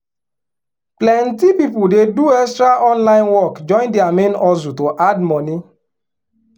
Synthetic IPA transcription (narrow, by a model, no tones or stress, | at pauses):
plɛ̃ntipipʊldeduɛkstɾaʔɔ̃nlãɪ̃nwɔkd͡ʒɔ̃ɪ̃ndɪamenɔzutoʔadmɔni